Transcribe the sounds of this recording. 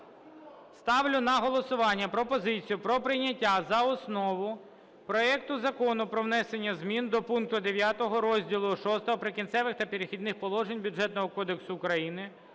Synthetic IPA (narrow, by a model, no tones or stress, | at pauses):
st̪ɑʋlʲʊnɐɦɔlˠɔsʊʋɑnʲːɐpɾɔpɔzɪt͡sʲijʊpɾɔpɾɪjnʲːɐtʲːazɐɔsnɔʋʊ | pɾɔɛk̚t̪ʊzɐkɔnʊpɾɔʋnɛsenʲːɐzmʲind̪ɔpunk̚t̪ʊd̪eʋʲjat̪ɔɦɔɾɔzʲdʲilˠʊʃɔst̪ɔɦɔpɾɪkʲint̪sɛʋɪxt̪ɐpʲeɾexʲid̪nɪxpɔlˠɔʒenʲbʲʊʐɛt̪nɔɦɔkɔd̪eksʊːkɾɐjinɪ